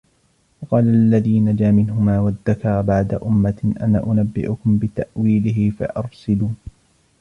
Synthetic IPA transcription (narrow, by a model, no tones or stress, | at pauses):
wɑqɑːlaʔlːaðiːnad͡ʒaːmɪnɦʊmaːwaðːakɑɾˤbaʕd̪a̰ʔʊmːaʔa̰na̰ːʔʊnabːɪ̰ʔʊkʊmbɪt̪aʔwiːlɪɦɪfa̰ʔɑɾˤsɪluː